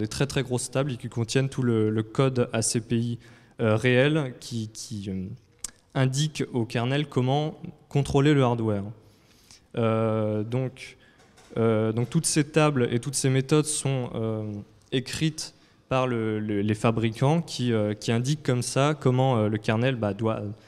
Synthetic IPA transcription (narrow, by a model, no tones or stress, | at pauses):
d̪et̪χɛt̪χɛɡʁost̪ablekʲikɔ̃t̪jɛnt̪ʰulələkɔd̪asepei | øʁeɛlkʲʰikʲʰiø | ɛ̃d̪ikokaʁnɛlkɔmɑ̃kɔ̃t̪χoleləaʁd̪wɛːʁ | ød̪ɔ̃k | ød̪ɔ̃k̚t̪ut̪set̪ablḛt̪ut̪semet̪ɔd̪sɔ̃ø | ekχit̪ | paʁləllefabʁikʰɑ̃kʲʰiøkʲiɛ̃d̪ikːɔmsakɔmɑ̃øləkaʁnɛlbad̪wa̰